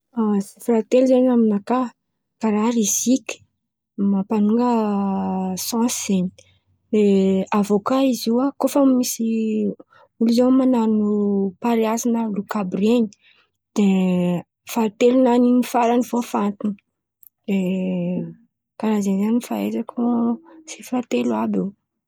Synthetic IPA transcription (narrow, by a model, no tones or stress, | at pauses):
azifɾat̪elzaɲaminaka | kaɾaɾizikʲi̥ | mapanuŋɡə | sɑ̃szeɲi̥ | leavokaiziakofəmisi | ulizewmanaɾinupaɾiazanalukabɾeɲi̥ | d̪̥e | fat̪elunaninifaɾanivofant̪ini | d̪e | kaɾazenzaniifaḛzakʰosifat̪elwabe